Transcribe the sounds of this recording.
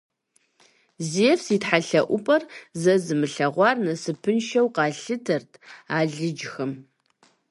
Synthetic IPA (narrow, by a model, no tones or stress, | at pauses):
ziɛfsiːtħaɬɐʔʷʊpʼɐrzɐzɨmɨɬɐʁʷɑːrnɐsɨpʰɨnʃɐwqɑːɬɨtʰɐrtʰaːɮɨd͡ʒxɐm